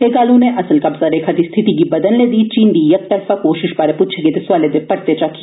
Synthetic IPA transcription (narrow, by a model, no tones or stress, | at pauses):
eːɡaːlũneʔɐsəlkɐbsaɾekʰat̪ist̪ʰɪt̪ik̬ibɐd̪ənled̪iːt͡ʃiːnd̪iːjɐk̚t̪ɐɾfakoːʃɪʃbaːɾepuːt͡ʃʰeket̪esʊaːled̪epɐɾt̪et͡ʃaki